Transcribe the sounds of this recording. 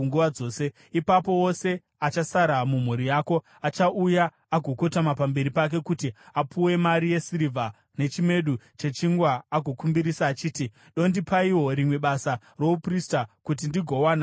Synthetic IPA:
ŋɡuʋad͡zo̞ːse̞ | ipapo̞wo̞se̞ | at͡ʃasaɾamum̤uɾijaːko̞ | at͡ʃaʔuja | aɡʱo̞ko̞tamapambe̞ɾipak̬e̞kutiapʰuwe̞maɾije̞siɾivʱa | ne̞t͡ʃime̞ɗu | t͡ʃe̞t͡ʃiŋɡwaːɡʱo̞kumbiɾisaːt͡ʃiːti | ɗo̞ndipʰaiwo̞ɾimwe̞ɓasa | ro̞upristakutindiɡʱowana

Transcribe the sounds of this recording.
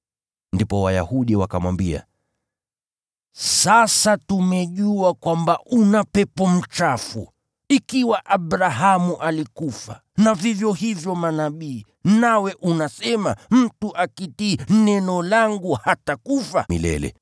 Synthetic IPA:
ndipɔwaja̰huɗiwakamwambia̰ | sasatumɛʄuakwambaunapɛpɔm̩t͡ʃafṵ | ikiwaʔaɓɾaɦamuʔalikufa | navivjɔhivjɔmanaɓiː | nawɛʔunasɛma̰m̩tuʔakitiːnɛnɔlaŋɡuhatakufaḭlɛ̰lɛ̰

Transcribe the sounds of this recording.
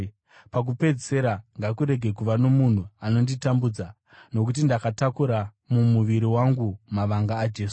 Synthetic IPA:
pak̬upe̞d͡ze̞ɾaŋɡakuɾe̞ɡʱe̞kuʋano̞mun̤uano̞nditambud͡za | no̞k̬ut̬indakatakuɾa | mumuʋiɾiwaŋɡumaʋaŋɡaːd͡ʒe̞ːsu̥

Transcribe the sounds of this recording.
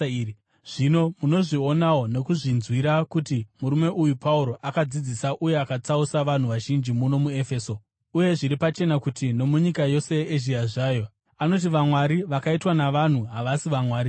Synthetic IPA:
ʐ̥ino̞muno̞ʐio̞nawone̞kuʐinzwiɾakutimuɾume̞ʔujupauɾo̞ʔakad͡zid͡zisaʔuje̞akat͡sausaʋan̤uʋaʒind͡ʒimuno̞mue̞feːso̞ | uje̞ʐiɾipat͡ʃe̞nakutino̞muɲikajo̞se̞eʒiaʐaːjo̞ | ano̞t̬iʋamwaɾiʋakaitwanaʋan̤uɦaʋasiʋamwaːɾi

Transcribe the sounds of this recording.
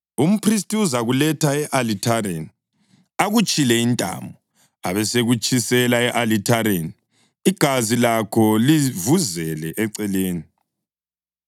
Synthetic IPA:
um̩pʰris̬tʼiuzaɣulɛtʰaɛʔalitʰareni | aɣut͡ʃʼilɛintʼa̰ːmbʱɔ | a̰βɛseɣut͡ʃʼisɛlaɛʔalitʰaɾeni | iɡ̥ʱazilakʰɔlivuzɛlɛʔɛǀɛleːni

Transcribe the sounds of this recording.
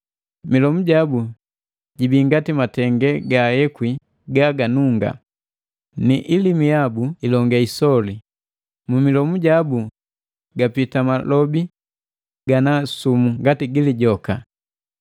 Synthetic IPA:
milɔmuɟabu | ɟibiŋɡatimatɛŋɡɛɡajɛkwi | ɡaɡanuŋɡa̰ | niʔilimijabuilɔŋɡaisɔli | mumilɔmuɟabu | ɡapitamalɔbi | ɡ̥anasumuŋɡatiɡiliɟɔka

